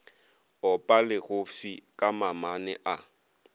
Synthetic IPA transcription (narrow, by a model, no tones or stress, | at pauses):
ɔpʼalɪɣʊfikʼamamanɪʔa